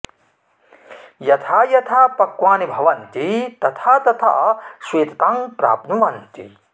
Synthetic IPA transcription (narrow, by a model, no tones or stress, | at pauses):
jɐt̪ʰaːjɐt̪ʰaːpɐkʋaːnibʱɐʋɐnt̪it̪ɐt̪ʰaːt̪ɐt̪ʰa̰sʋeːt̪ɐ̥t̪aːŋpɾa̰ːp̚nuʋɐnt̪ḭ